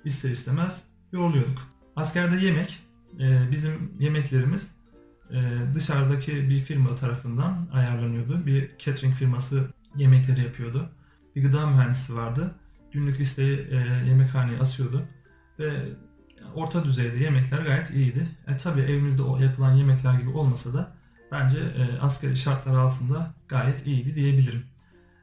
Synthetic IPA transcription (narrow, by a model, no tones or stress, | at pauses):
ist̪ʰeist̪ʰemæz̥ | jo̞ɾulˠujo̞d̪uk | ascʰæɾd̪ɛje̞mɛc | ɛːbizimje̞mɛclʲe̞ɾimiz̥ | ɛːd̪ɯʃaɾd̪acʰibifiɾmat̪ʰaɾafɯnd̪anajaɾlˠanɯjo̞d̪ʊbiɾcʰet̪ɾiɲcfiɾmasɯ | je̞mɛclʲe̞ɾijapʰɯjo̞d̪ʊ | biɡɯd̪aːmyɦænd̪isivaɾd̪ɯ | ɟ̥ynlʲyclʲist̪ʰe̞jɛje̞mɛchaːnejiasɯjo̞d̪ʊ | vɛ | o̞ɾt̪ʰad̪yzejd̪ɛje̞mɛclʲæɾɡaːjɛt̪ʰijid̪ɪɛt̪ʰabiːʔevimizd̪ɛo̰japʰɯlˠanje̞mɛclʲæɾɟibio̞lˠmasad̪a | b̥ænd͡ʒɛːascʰeɾiʃaɾt̪lˠaɾɯalˠt̪ʰɯnd̪aɡ̥aːjɛt̪ʰijid̪id̪ije̞bilʲiɾim